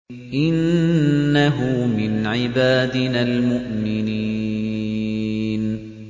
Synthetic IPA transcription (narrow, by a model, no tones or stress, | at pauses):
ʔɪnː | aɦʊmɪnʕɪbaːd̪ɪnaːlmʊʔmɪni | n